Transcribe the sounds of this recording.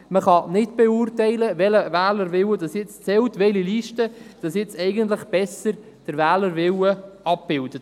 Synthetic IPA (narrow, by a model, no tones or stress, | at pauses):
məχɑnɪtb̥ɛʊːrtɛɪləvɛləvæːləɾvɪwədɑsjɪt͡st͡sɛlt̪ʋɛliliːʃtəd̥ɑsjɪt͡sɛɪɡənt̪ləχb̥ɛsəɾ | d̥əɾvæːləɾʋɪwəɑp̚b̥ɪld̥ət